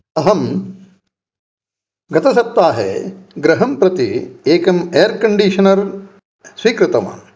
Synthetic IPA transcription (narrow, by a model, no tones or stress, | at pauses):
ɐɦɐm | ɡɐt̪ɐsɐp̚t̪aːɦḛɡɾɐɦɐmpɾɐt̪ḭeːkɐmejɐɾkɐɳɖiːʃɐnɐɾ | sʋiːkɾɪt̪ɐma̰ː